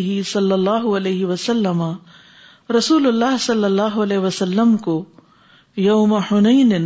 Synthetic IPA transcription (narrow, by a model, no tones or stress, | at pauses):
ɦisɐlːɐlːaːɦʊɐleːɦiʋɐsɐlːəma | ɾɐsuːlʊlːaːɦsɐlːɐlːaːɦʊɐleːɦʋɐsɐlːəmko | jɐʊmɐhʊnɐin